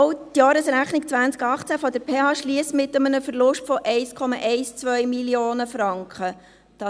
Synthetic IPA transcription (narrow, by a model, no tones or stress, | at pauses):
ʊtjɑːɾəsɾæχnikt͡sʋænt͡skɑχt͡sæfɔd̪əɾpʰeːhɑːʃliəsmɪt̪əmənəfəɾlʊʃtfɔʔɛɪskʰɔmɑʔɛɪst͡sʋœʏmiljoːnəfɾɑŋkʰχə | d̥ɑ